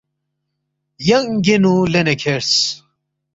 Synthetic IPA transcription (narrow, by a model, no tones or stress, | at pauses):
jɐŋɡenulenekʰeɾs